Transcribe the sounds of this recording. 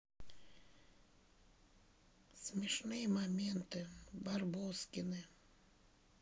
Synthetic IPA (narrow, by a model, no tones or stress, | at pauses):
sʲmʲɪʂnɨjɛmamʲɛnt̪ɨbarboskʲɪnɨ